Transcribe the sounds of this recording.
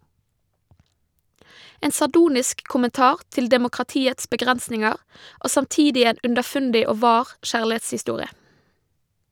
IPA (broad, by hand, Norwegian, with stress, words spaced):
ˈeːn sɑˈɖuːnɪsk kʊmənˈtɑːʁ ˈtɪl dɛmʊkʁɑˈtiːəts bəˈɡʁɛnsnɪŋəʁ ˈʔoː sɑmˈtiːdɪ ˈeːn ʉndəˈfʉndɪ ˈoː ˈʋɑːʁ ˈʃæːɭɪˌeːtshɪˌstuːʁɪə